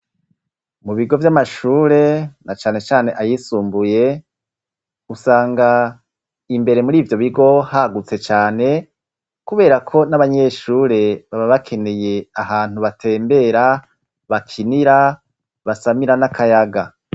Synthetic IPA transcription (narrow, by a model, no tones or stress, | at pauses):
muβiɡo̞vjamaʃuːɾe̞nat͡ʃaːne̞t͡ʃaːne̞ʔajisuːmbuje̞ | usaːŋɡa | imbe̞ɾe̞muɾiːvjo̞βiɡo̞haɡut͡se̞t͡ʃaːne̞ | kuβe̞ːɾakʰo̞naβaɲe̞ːʃuːɾe̞βaβaβakʰe̞ne̞je̞aɦaːn̥uβatʰe̞ːmbe̞ɾa | βakʰiniɾa | βasamiɾanakʰajaɡa